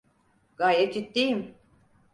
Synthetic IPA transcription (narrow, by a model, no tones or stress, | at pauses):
ɡ̥ajɛt̪it̪ːejim